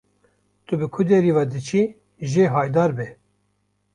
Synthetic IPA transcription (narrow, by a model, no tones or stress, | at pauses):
t̪ubɨkʰud̪ɛɾiːvɑːd̪ɨt͡ʃʰi | ʒeːɦɑːjd̪ɑːɾbɛ